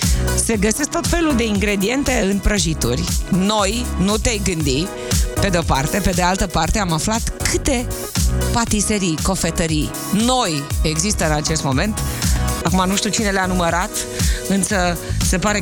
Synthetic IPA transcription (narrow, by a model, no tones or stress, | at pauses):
se̞ɡəsesk̚t̪ot̪fe̞luld̪e̞iŋɡɾe̞d̪ie̞nt̪e̞ɨnpɾəʒit̪urʲno̞jnut̪ejɡɨnd̪i | pe̞d̪eopart̪e̞pe̞d̪ealt̪əpart̪eamaflat̪kʰɨt̪e̞ | pat̪iseɾiko̞fe̞t̪əɾi | no̞je̞ɡzist̪əɨnat͡ʃe̞st̪mo̞me̞nt̪akumanuʃt̪ut͡ʃine̞leanuməɾat̪ | ɨnsəse̞paɾe̞